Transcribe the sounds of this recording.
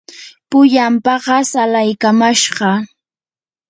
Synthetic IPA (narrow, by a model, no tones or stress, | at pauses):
pʊʎampɑɢɑsalajkamaʃɢɑ